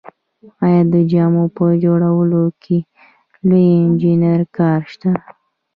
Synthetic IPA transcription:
ɑjɑd̪əd͡ʒɑmopəd͡ʒoɽawəlokʰe | lojɪnd͡ʒinaɾkɑɾʃt̪a

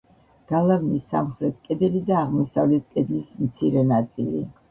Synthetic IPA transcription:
ɡ̥alˠavnisːa̰mχɾɛt̪̚ʰkʼɛd̪ɛlid̪aːʁmɔsavlɛt̪ʰkʼɛd̪lismt̪sʰiɾɛnat̪sʼilḭ

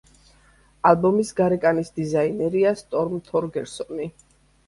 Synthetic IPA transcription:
albɔmisɡaɾɛkʼanisd̪izainɛɾiast̪ʼɔɾmt̪ʰɔɾɡɛɾsɔni

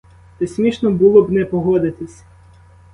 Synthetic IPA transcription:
t̪ɛsʲmʲiʃnɔbulˠɔbnɛpɔɦɔd̪ɪt̪ɪsʲ

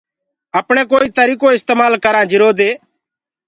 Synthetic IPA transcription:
əpɽ̃ekoːiːt̪əɾiːkoɪst̪eːmaːlkəɾãːd͡ʒɪɾoːd̪eː

